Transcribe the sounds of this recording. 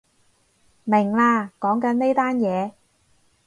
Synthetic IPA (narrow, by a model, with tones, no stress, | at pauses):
mɪ˨˩ŋlaː˧kɔː˨˥ŋkɐ˨˥nne˥jt̪aː˥njɛː˨˧